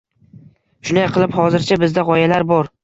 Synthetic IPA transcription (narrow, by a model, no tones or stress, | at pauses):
ʃʊnajqʰɨlˠɪphɒzɪɾt͡ʃʰabɪzd̪aʁɒjalaɾbɒɾ